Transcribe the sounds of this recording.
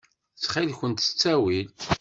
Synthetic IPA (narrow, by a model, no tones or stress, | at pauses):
t͡sːχilçənt̪ə̥t͡sːæwil